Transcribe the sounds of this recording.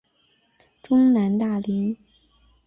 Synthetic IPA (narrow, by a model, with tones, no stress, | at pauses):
ʈ͡ʂʊ˥ŋna˧˥nt̪a˥˩li˧˥n